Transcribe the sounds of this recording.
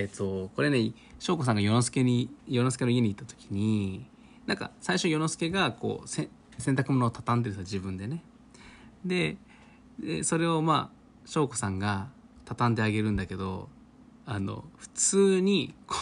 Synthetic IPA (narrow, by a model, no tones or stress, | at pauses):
et̪ːo̞ko̞ɾe̞ne | ɕo̞ːko̞s̬ãŋɡajo̞nosɨ̥ke̞ɲijonosɨ̥ke̞noie̞ɲ̟it̪ːat̪o̞̥kʲi̥ɲ̟i | nãŋka̰saiɕo̞jo̞no̞sɨ̥ke̞ɡako̞̰ːsẽ | sent̪akɯ̟mo̞noːt̪at̪ãnd̪eɾɯsad͡ʑibɯ̟̃nd̪e̞ne̞ | d̪e̞ | d̪ḛso̞ɾe̞o̞ma̰ː | ɕo̞ːko̞sãŋɡa | t̪at̪ãnd̪e̞aɡe̞ɾɯ̟̃nd̪ake̞d̪o̞̰ | ano̞̰ɸɯ̟̥t͡sɨːɲ̟ik